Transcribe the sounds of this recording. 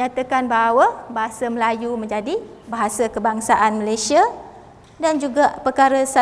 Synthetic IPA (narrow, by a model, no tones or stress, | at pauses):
ɲat̪akanbaɦawabaɦasəməlajumə̃ɲd͡ʒadi | baɦasakəbaŋsaʔanməlajsia | dand͡ʒuɡaʔpərkaɾəsa